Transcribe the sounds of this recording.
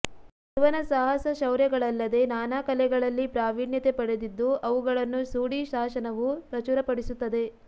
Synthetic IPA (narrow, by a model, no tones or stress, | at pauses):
ʋɐnɐsaːɦɐsɐʃɐwɾjɐɡɐɭɐlːɐd̪e̞naːnaːkɐlɛɡɐɭɐlːipɾaːʋiːɳjɐt̪epɐɽed̪id̪ːuʔɐʋuɡɐɭɐnːusuːɽiʃaːʃɐnɐʋupɾɐt͡ʃuɾɐpɐɽisut̪ːɐd̪e̞